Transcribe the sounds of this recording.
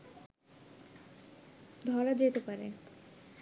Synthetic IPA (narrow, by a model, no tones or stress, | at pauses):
d̪ʱɔɾad͡ʑet̪epaɾe